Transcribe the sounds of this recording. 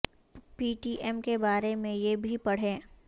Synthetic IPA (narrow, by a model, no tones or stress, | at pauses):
piːʈiːʔɛmkebaːɾemẽjebʱipɐɽ̤ẽː